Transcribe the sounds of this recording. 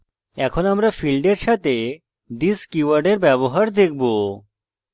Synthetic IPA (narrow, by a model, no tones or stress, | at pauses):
ɛkʰonamɾafʰilɖeɾʃat̪e | d̪iskiʋaɾɖeɾbɛboɦaɾd̪ek̚ʰbo